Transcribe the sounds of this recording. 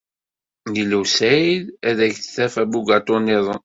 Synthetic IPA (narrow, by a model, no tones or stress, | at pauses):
jiluwsæðæðæʝθθæfæbuɡɑt̪ˤonɪðˤən